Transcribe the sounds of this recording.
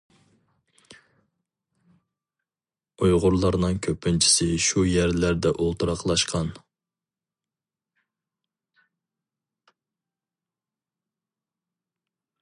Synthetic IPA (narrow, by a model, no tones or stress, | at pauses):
ujʁʊɾlˠɑɾnɨŋkʲʰøpʰːynt͡ʃʰi̥sɪʃujæɾlæɾd̪ɛʔolˠt̪uɾɑqʰlˠɑʃqʰɑn